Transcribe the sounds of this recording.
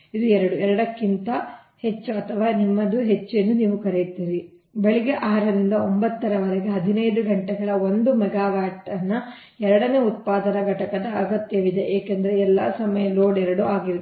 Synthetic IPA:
id̪uɛɾɐɽuɛɾɐɽɐkːint̪ɐ | he̞t͡ʃːuɐt̪ʰɐʋaːnimːɐd̪uɦet͡ʃːuenːuniːʋukɐɾejt̪iːɾi | beɭiɡeʔaːɾɐɾind̪ɐombɐt̪ːɐɾɐʋɐɾɐɡeɦɐd̪ʱinɐjd̪uɡɐɳʈɛɡɐɭɐo̞nd̪umɛɡaːɡaːʈɐnːɐ | ɛɾɐɽɐneːut̪̚paːd̪ɐnɐɡɐʈɐkɐd̪ɐɐɡɐt̪jɐʋid̪eʔeːkend̪ɐɾeɛlːɐ̰sɐmɐjɐloːɽɛɾɐɽuaːɡiɾ

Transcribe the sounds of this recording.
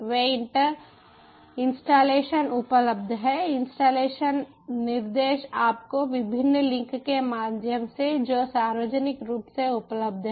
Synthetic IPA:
ʋeːɪɳʈəɾ | ɪ̃nsʈaːleːʃənʊpələb̚d̪ʱɦɛːɪnsʈaːleːʃənː | ɪɾd̪eːʃaːpkoʋɪbʱɪnːlɪ̃ŋkkemaːd̪ʱjəmsed͡ʒoːsaːɾʋəd͡ʒənɪkɾuːpseʊpləbd̪ʱɦɛ

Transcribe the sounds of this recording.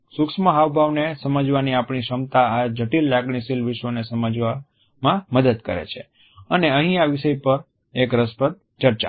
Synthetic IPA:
suksməɦaʋbʱaʋnesəməd͡ʒʋaniapɳ̃iʃəmt̪aad͡ʒʱəʈilːaɡɽisilʋɪʃʋonesəməd͡ʒʋa | mãməd̪əd̪kə̰ɾḛt͡ʃʰḛ | əneəɦĩaʋiʃəjpəɾ | ekɾəspət̪̚ | t͡ʃəɾt͡ʃa̰

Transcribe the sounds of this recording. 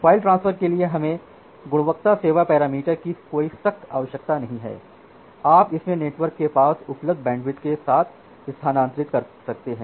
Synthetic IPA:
faːɪlʈɾãːnspʰəɾkelieɦɐmẽ | ɡʊɽ̃ʋəkt̪aseːʋapɛːɾaːmiːʈəɾkikoːisɐxt̪ʰaːʋəʃjək̚t̪anɐɦĩɦɛ̰ː | aːpɪsmẽneːʈʋəɾkːepaːsʊpləbd̪̚ʱbɛ̃ːɳɖʋɪt̪kesaːt̪ʰ | ɪst̪ʰaːnãːnt̪ɾɪt̪kɐɾsɐk̚t̪eɦɛ̃ː

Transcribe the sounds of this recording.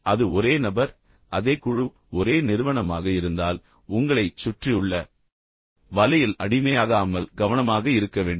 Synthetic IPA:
ɐðɯɔɾeːnɐbɐɾ | ʔɐðeːkːʊɻɯ | ɔɾeːnɪɾɯʋɐɳɐmaːɣɐɪɾɯnd̪aːl | ʊŋɡɐɭɐɪt͡ʃːʊʈrɪjɯɭːɐ | ʋɐlɐjɪlɐɽɪmɐjaːɣaːmɐlɡɐʋɐnɐmaːɣɐɪɾɯkːɐʋeːɳɖ

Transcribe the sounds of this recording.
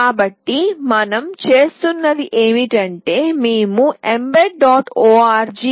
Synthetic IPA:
aːbɐʈːimɐnɐmt͡ʃe̞ːst̪unːɐd̪iʔe̞ːmiʈɐɳʈe̞ːmeːmuembeʈ̚ɖaːʈoːaːɾd͡ʒi

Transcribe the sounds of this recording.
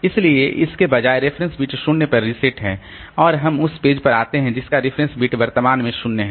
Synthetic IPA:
ɪslieʔɪskebɐd͡ʒaːeɾefʰɾə̃nsbiːʈʃʊnnepɐɾːɪsɪʈɦɛ̃ | ɔːɾɦɐmʊspeːd͡ʒpɐɾaːt̪eɦɛ̃d͡ʒɪskaɾɪfʰɾə̃nsbiːʈʋɐɾt̪əmaːnmẽʃʊnneɦɛ̃

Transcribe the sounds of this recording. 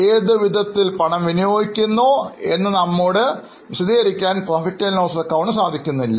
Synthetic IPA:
eːðɨʋid̪ʱɐt̪ːilpɐɳɐmʋinijoːjikʲːunːoːe̞nːɨnɐmːoːɽɨ | ʋiɕɐd̪iːɣɐɾikʲːaːnproːfitːɐlnoːsɐkːɐwuɳɨsaːd̪ʱikʲːunːuilːɐ

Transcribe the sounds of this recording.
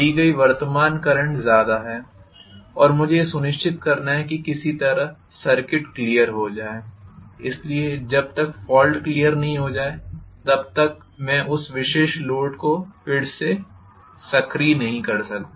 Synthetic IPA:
iɡɐiʋɐɾt̪əmaːnkɐɾə̃ɳʈzjaːd̪aɦɛː | ɔːɾmʊd͡ʒʱesʊnɪʃt͡ʃɪt̪̚kɐɾnaɦɛkikɪsit̪ɐɾəɦ | sɐɾkɪʈklijəɾɦod͡ʒaːeːɪslied͡ʒɐb̚t̪ɐkfɔːlɖklijəɾnɐɦĩɦod͡ʒaːet̪ɐb̚t̪ɐk̚ | mɛ̃ʔʊsʋɪʃeːʃloːʈkopʰɪɽse | sɐkɾinɐɦĩkɐɾsɐk̚t̪a

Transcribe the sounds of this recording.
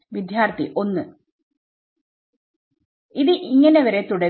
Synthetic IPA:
ʋid̪ʱjaːrt̪ḭʔo̞nːɨ | iðɨʔiŋːɐne̞ʋɐɾet̪uɽɐ

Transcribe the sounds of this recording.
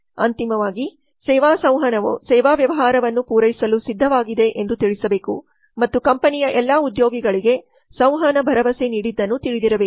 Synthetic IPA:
ɐ̰nt̪imɐʋaːɡi | sɛːʋaːsɐwɦɐnɐʋsɛːʋaːʋjɐʋɐɦaːɾɐʋɐnːupuːɾɐjisɐlusid̪ʱːɐʋaːɡid̪e̞ʔend̪ut̪iɭisɐbe̞ːkṵ | mɐt̪ːukɐmpɐnijɐʔɛlːaːud̪joːɡiɡɐɭiɡe̞ | sɐ̃w̃ɦɐnɐbʱɐɾɐʋɐseniːɽid̪ːɐnːut̪iɭid̪iɾɐbe

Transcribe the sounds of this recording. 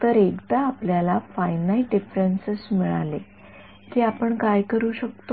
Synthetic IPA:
t̪əɾekd̪aːpljalafajnalɖifɾənsesmiɭa̰le | kiːapəɳkajkəɾuːɕəkt̪o

